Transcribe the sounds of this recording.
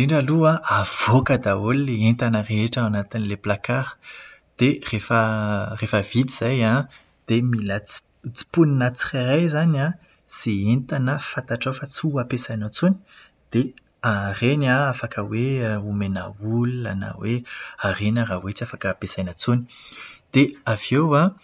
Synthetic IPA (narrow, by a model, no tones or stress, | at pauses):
diɳɖ͡ʐaluaʔav̥okəd̪aolileent̪anəreɦeʈ͡ʂəanat̪inileplakaɾə̥ | d̪̥erefərefəvid̪iz̥ajã | d̪̥emilat͡s | t͡si̥puninat͡si̥kaɾajzanã | z̥eent̪anəfant̪aʈ͡ʂofat͡suapesajnat͡suni̥ | d̪̥e | arenaafakəweumena̰ulua̰na̰wearenərawet͡siafakəːpesajnət͡soni̥d̪̥eavewa